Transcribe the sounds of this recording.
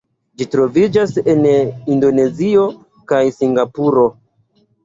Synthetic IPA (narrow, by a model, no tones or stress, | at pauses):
d͡ʒitɾo̞vid͡ʒase̞nindo̞ne̞zio̞ | kajsiŋɡapuɾo̞